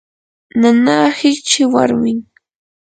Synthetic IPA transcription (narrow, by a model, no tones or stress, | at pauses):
nanaːhɪkt͡ʃɪwa̰ɾmɪŋ